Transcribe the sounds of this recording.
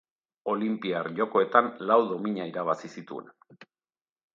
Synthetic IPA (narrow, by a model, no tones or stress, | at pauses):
o̞limpiarʝo̞ko̞e̞t̪anlawðo̞miɲaiɾaβ̞asisit̪ue̞̰n